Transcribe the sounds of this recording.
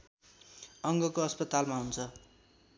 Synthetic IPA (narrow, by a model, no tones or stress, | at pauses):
ʌŋɡʌkoʌspʌt̪almaɦunt͡sʰʌ